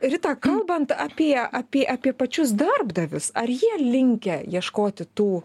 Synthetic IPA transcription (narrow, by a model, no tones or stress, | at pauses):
ɾʲɪt̪ɑːkɐlˠbɐnt̪ɐːpʲiɛɐːpʲiɛʔɑːpʲiɛpɐt͡ʃʲʊs̬d̪ɐrbd̪ɐʋʲʊsɐrjiɛlʲɪŋʲkʲɛjiɛʃkoːt̪ʲɪt̪uː